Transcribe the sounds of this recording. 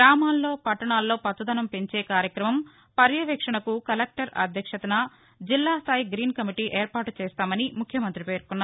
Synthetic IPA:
ɡɾaːmaːlːo̞ːpɐʈːɐɳaːlːoːpɐt̪ːud̪ɐnɐmpeɲt͡ʃeːkaːɾjɐkɾɐmɐm | pɐɾjɐʋɛːkʂɐɳɐkukɐlek̚ʈɐɾɐ̰d̪ʱjɐkʂɐt̪ɐnɐ | d͡ʒilːaːst̪ʰaːjiɡɾiːnkɐmiʈiːʔeːɾpaːʈut͡ʃɛːst̪aːmɐnimukʰjɐmɐnt̪ɾipe̞ːɾkunːaːɾ

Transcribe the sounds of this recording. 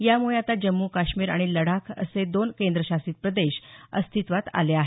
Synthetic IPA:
jamuɭjat̪ad͡ʑəmːukaɕmiːɾa̰ɽ̃iləɽ̤akʰə̰sed̪onkend̪ɾəɕasiːt̪̚pɾəd̪eɕə̰st̪ʰit̪ʋat̪a̰leaɦe

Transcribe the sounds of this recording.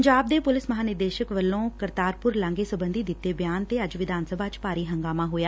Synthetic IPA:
əɲd͡ʒaːb̚d̪eːpʊlɪsməɦaːnɪɾd̪eːʃəkʋəlːõːkəɾt̪aːɾpʊɾlãŋɡeːsəbənd̪iːd̪ɪt̪ːeːbjaːnt̪eːəd͡ʒʋɪd̪ʱaːnsəbaːt͡ʃpaːɾiːɦəŋɡaːmaːɦoːjaː

